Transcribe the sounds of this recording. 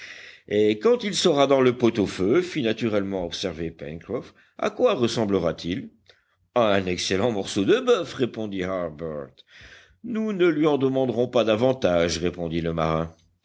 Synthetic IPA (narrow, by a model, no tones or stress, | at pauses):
ekɑ̃t̪ilsəʁad̪ɑ̃ləpot̪oføfinat̪yʁɛlmɑ̃ɔpsɛʁvepɛ̰nkχɔf | a̰kwaʁəsɑ̃bləʁat̪ʰil | ɛɛ̃nɛkselɑ̃mɔʁsod̪əbœfʁepɔ̃d̪ihaʁbœʁt̪ | nunəlɥiɑ̃d̪əmɑ̃d̪ʁɔ̃pad̪avɑ̃t̪aʒʁepɔ̃d̪iləmaʁɛ̃